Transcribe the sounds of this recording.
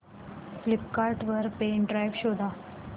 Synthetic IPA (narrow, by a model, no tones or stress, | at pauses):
flipkaɾʈʋəɾpeɳɖɾajʋɕod̪ʱa